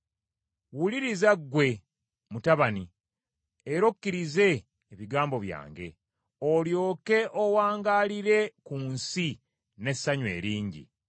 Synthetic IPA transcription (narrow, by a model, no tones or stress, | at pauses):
wuliɾizaɡːwe̞ | mutaβani | eɾo̞kːiɾize̞ː | βiɡaːmbo̞βja̰ːŋɡe̞̰ | oljo̞ːke̞ʔowaːŋɡaːliɾe̞kunsi | ne̞sːaɲwe̞̰ːɾiːɲɟḭ